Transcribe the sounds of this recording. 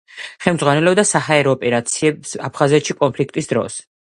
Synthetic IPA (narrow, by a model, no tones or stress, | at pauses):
χɛlmdzʁwanɛlɛbd̪asaɦaɛɾɔːpʼɛɾat̪sʰiɛbsapʰχazɛt̪ʃikʼɔnpʰlik̚ʰt̪ʼisd̪ɾɔ̰s